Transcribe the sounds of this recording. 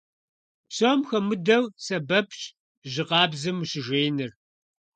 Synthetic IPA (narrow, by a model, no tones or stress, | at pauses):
psoːmxɐmɨdɐwsɐbɐpʰɕʼ | ʒɪqɑːbzɨmɕɪʒʷeːnɨr